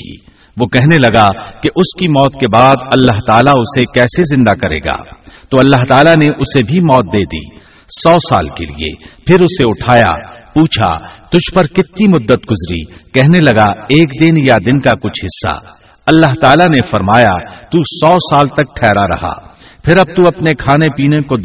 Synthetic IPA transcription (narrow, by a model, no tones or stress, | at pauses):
i | ʋokɛɦnelɐɡakeʔʊskimɔːt̪kebaːd̪ɐlːaɦt̪aːlaʊsekɛːsezɪ̃nd̪akɐɾḛːɡa̰ːt̪oɐlːaɦt̪aːlaneʔʊsebʱimɔːt̪̚d̪eːd̪ḭː | sɔːsa̰ːlkḛlḭḛpʰɪɾʊseʊʈʰaːja̰puːt͡ʃʰa̰t̪ʊd͡ʒʱpɐɾkɪt̪nimʊd̪ːət̪ɡʊzɾḭkɛɦnelɐɡaeːkd̪ɪnjad̪ɪnkakʊt͡ʃʰɦɪsːa̰ | ɐlːaɦt̪aːlanefɐɾmaːjat̪uːsɔːsaːlt̪ɐk̚ʈʰɛːɾaɾɐ̰ɦa̰ː | pʰɪɾɐb̚t̪uɐpnekʰaːnepiːneko